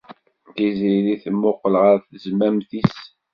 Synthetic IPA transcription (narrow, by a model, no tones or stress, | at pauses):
tiziɾiθəmːʊqːəlʁəɾθəzmæmθis